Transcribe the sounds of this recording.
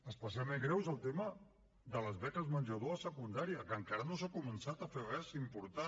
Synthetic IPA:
əspəs̬jalˠmẽŋɡɾɛwzəlˠt̪emə | ðələzβɛkəzmənʲʒəð̞oəsəkund̪aɾiəkəŋkaɾənosakumənsat̪əferɛzimpuɾt̪a

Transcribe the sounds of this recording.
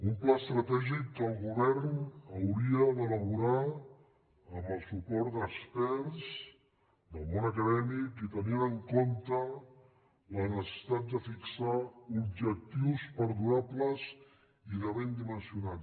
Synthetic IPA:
umplast̪ɾət̪ɛʒikːəlˠɣuβɛɾnəwɾiəd̪ələβuɾa | məlˠsupɔɾt̪d̪əkspɛɾz | d̪əlˠmonəkəðɛmikit̪əninəŋkont̪ə | lənəssi̥t̪at̪̚d̪əfiksaubʒək̚t̪iwspəɾðuɾapləz | iðəβend̪imənsiuna

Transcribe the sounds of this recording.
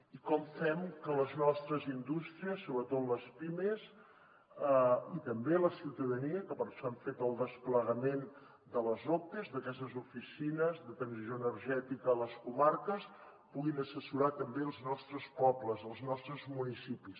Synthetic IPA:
ikɔmfɛmkələznɔst̪ɾəzind̪ust̪ɾiəsːoβɾət̪ot̪ləspimez | əit̪əmbeləsiwt̪əðəniəkəpəɾʃɔaɱfet̪əlˠd̪əspləɣəmen | d̪ələzot̪əzðəkɛst̪əzufisinəzðət̪ɾənzizoənəɾʒɛt̪ikəːləskumarkəs | puɣinəsəsuɾat̪əmbeəlˠznɔst̪ɾəspɔpləzəlˠznɔst̪ɾəzmunisipis

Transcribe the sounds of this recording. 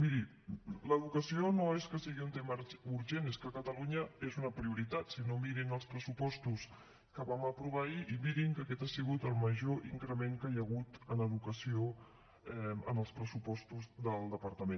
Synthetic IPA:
miɾi | ləðukəsionoeskəsiɣiunt̪eməuɾʒeneskəkət̪əluɲəezunəpɾiuɾit̪at̪sinomiɾinəlˠspɾəsupɔst̪us | kəβaməpɾuβaiʔiβiɾiŋkəkɛt̪asiɣut̪əlˠməʒoʔḭŋkɾəmeŋkəjəɣ̞ut̪ənəðukəsio | ɛə̰nəlˠspɾəsupɔst̪uzd̪əlˠd̪əpəɾt̪əmẽn

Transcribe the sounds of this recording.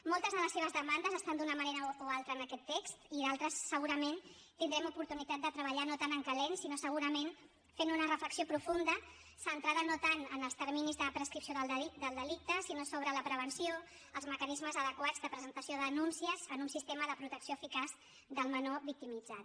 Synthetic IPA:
molˠt̪əzðələseβəzðəmand̪əzəst̪and̪unəməneɾəoalˠt̪ɾəːnəkɛt̪ːekst̪iðalˠt̪ɾəsːəɣuɾəmen | t̪ind̪ɾɛmupuɾt̪unit̪at̪̚d̪ət̪ɾəβəʎanot̪anəŋkəlensinosəɣ̞uɾəmen | fenunərəfləksiopɾufund̪ə | sənt̪ɾaðənot̪anənəlˠst̪əɾminizðəpɾəskɾipsijoðəlˠid̪əlˠd̪əlik̚t̪əsinosoβ̞ɾələpɾəβ̞ənsio | əlˠzməkənizməzəðəkwad͡zðəpɾəzənt̪əsijoðənunsiəzənunsist̪eməðəpɾut̪əksioəfikaz | ðəlˠmənoβik̚t̪imid͡zat̪

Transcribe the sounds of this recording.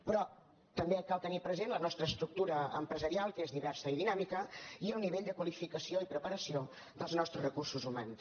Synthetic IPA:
pɾɔ | t̪əmbekalˠt̪ənipɾəzenlənɔst̪ɾəːst̪ɾuk̚t̪uɾəə̰mpɾəzəɾialˠkezðiβɛrsəiðinamikəiəlˠniβeʎd̪əkwəlifikəsioipɾəpəɾəsio | d̪əlˠznɔst̪ɾəzrəkursuzumans

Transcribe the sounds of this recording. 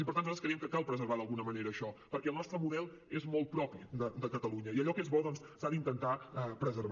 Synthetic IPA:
ipəɾt̪anzaɾəskɾiəmkəkalˠpɾəzəɾβaðəlˠɣunəməneɾəːʃɔpəɾkɛəlˠnɔst̪ɾəmuðɛlˠ | ezmɔlˠt̪̚pɾɔpid̪əd̪əkət̪əluɲəiəʎɔkezβɔðɔnssaðint̪ənt̪aɛpɾəzəɾβ

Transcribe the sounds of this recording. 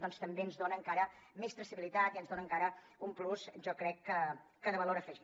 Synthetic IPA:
d̪ɔnst̪əmbeənzðonəːŋkaɾəmest̪ɾəsiβilit̪at̪iənzðonəŋkaɾə | umplusʒɔkɾɛkːəː | əðəβəloɾəfɛʒ

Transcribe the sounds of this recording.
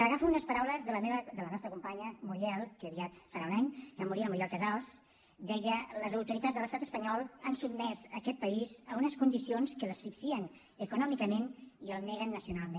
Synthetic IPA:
əɣafuunəspəɾawləzðələmeβəd̪ələnɔst̪ɾəkumpaɲəmuɾjɛlˠkəəβiat̪faɾaunaɲkamuɾiəməɾjɔɾkəzals | d̪ɛjələzəuɾt̪uɾit̪ad͡zzðələst̪at̪əspəɲɔlˠansubmɛzəkɛt̪̚pəizəunəskund̪isionskələsfiksiən | əkunɔmikəmeniəlˠnɛɣənːəsiunalˠmẽn

